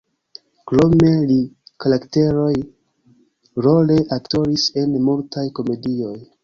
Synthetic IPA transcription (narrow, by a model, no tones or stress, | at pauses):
kɾo̞me̞likaɾakte̞ɾo̞j | ɾo̞le̞ʔakto̞ɾise̞nmultajko̞me̞dio̞j